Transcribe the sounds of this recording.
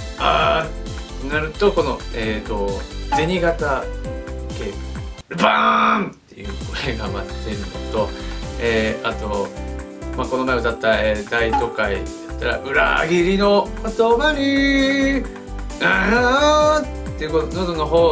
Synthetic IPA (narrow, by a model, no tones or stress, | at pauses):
a | t̪enaɾɯ̟t̪o̞ko̞no̞eːt̪o̞d͡ze̞ɲ̟iɡat̪a | ke̞ːɯ | bant̪ːe̞̰jɯ̟̰ːko̞ɾeɡama̰t̪ːe̞ɾɯ̟not̪o̞eːat̪o̞ | mako̞no̞maeot̪at̪ːaeːd̪ait̪o̞kaḭd̪at̪ːaɾa̰ʔɯ̟ɾa̰ɡʲiɾʲino̞t̪onaɲi | a | e̞ɯ̟kot̪onod̪ono̞ɦoː